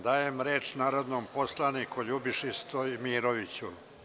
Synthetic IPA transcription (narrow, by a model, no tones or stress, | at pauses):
d̪aːjemɾeːt͡ʃnaːɾod̪noːmposlˠanikuʎubiʃist̪omiːɾoʋit͡ɕu